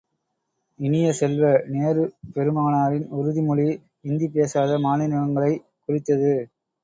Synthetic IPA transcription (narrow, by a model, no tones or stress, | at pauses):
ɪnɪjɐsɛlʋɐneːɾɯpɛɾɯmaːnaːɾɪnʊɾɯðimʊɻi | ɪnd̪ipeːsaːðɐmaːnɪnɐʋɐŋɡɐɭɐɪ | kʊrɪt̪ːɐðɯ